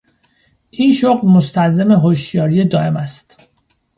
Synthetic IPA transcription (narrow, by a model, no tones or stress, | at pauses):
ʔiːnʃoɣlmost̪ʰælzeme̞ɦoʃjɒːɾijed̪ɒːʔe̞mæst̪